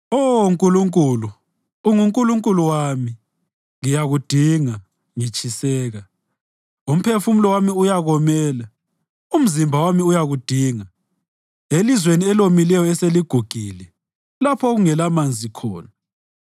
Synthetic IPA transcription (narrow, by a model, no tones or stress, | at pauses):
ouŋkʼuluŋkʼuluː | ŋuŋkʼuluŋkʼuluwami | ŋijaɣud̥ʱiŋa | ŋit͡ʃʰʼisɛːɣa | um̩pʰefum̩lɔwamiujaɣɔmɛːla | um̩zimbʱawamiujaɣud̥ʱiːŋa | elizweniɛlomilɛjɔɛseliɡ̥ʱuɡ̥ʱilɛ | lapʰɔɣuŋɛlamand͡zʱikʰɔ̰ːna